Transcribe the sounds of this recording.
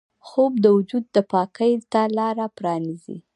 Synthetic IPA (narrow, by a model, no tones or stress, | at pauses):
xob̚d̪əwʊd͡ʒud̪̚ːəpɑkəjt̪alɑɾapɾɑnizḭ